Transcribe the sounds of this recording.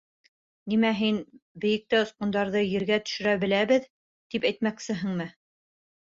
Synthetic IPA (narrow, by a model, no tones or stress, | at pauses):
nimæɦinbɘ̆jɘ̆k̚t̪ɘŏsqŏnd̪ɑɾðɤjɘ̆ɾɡæt̪ɵ̥̆ʃɘ̆ɾæbɘ̆læβɘð | t̪ipæjt̪mæksɘɦɘ̆ŋmɘ